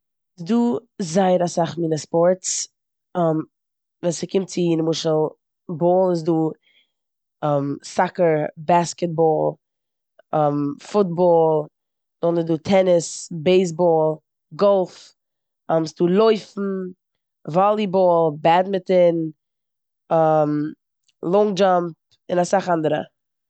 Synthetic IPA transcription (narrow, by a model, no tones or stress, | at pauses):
duːzaɪɾasaχmiːnəspɔɾts | ɔm | vɛːnsɪkɪmt̚t͡sɪinmʊʃəlˠ | bɔːlˠɪs̬duː | ɔmsakəɾbaskɛt̚bɔːlˠ | ɔmfʊt̚bɔːlˠ | dɔːnɪduːtʰɛnɪsbeɪs̬bɔːlˠ | ɡɔlˠf | ɔmsduːlˠoɪfn̩ | vɔlˠibɔːlˠbɛdmɪtɪn | am | lˠɔŋd͡ʒamp̚ | ɪnasaχandəɾə̰